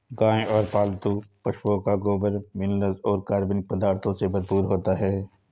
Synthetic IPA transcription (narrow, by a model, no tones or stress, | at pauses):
ɡãːẽɔːɾpaːlt̪upɐʃpoːkaɡoːbəɾmɪlnəzɔːɾkaːɾbɪnk̚pəd̪aːɾt̪ʰõsebɐɾpuːɾɦoːt̪aɦɛː